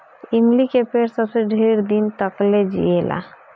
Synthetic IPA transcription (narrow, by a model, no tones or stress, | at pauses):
ɪmlikepeːɾsəbseɖʱeɾd̪int̪əkled͡ʒḭelʔa̰